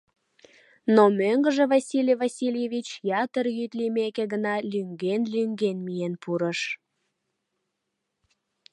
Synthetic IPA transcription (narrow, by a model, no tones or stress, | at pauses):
nomøŋɡəʒevɑsʲilʲevɑsʲilʲjevʲit͡ɕjɑt̪ərjyt̪limekeɡənɑlyŋɡenlyŋɡenmijenpuɾəʃ